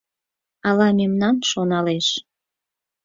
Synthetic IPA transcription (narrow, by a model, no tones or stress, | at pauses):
ɑlɑmemnɑnʃonɑleʃ